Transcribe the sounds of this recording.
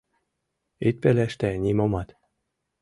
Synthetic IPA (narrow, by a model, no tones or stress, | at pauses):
it̪̚pelæʃt̪ænʲimomɑt̪